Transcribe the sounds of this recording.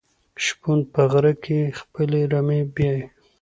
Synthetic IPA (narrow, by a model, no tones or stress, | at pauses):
ʃpund̪̚pəɣɾakʰexpəleɾamebjɑj